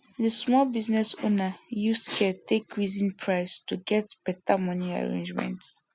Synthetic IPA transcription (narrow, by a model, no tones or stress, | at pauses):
dəsmɔlbiznɛso̰najuskʰɛtʰekɹizĩnpʰɹaɪstuɡɛtb̥ɛtamɔnia̰ɹḛ̃nd͡ʒmɛ̰̃nt